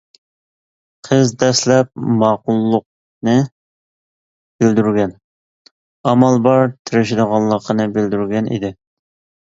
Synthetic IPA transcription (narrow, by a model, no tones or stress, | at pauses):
qʰəzd̪ɛslɛp̚mɑːqʊlˠːʊq̚ | nɨ | bɪld̪yɾɡʲɛn | ɑmɑlˠbɑɾt̪ʰɪɾɪʃɪd̪əʁɑnlˠːəqʰːənɨbɪld̪yɾɡʲɛnʔḭd̪ɪ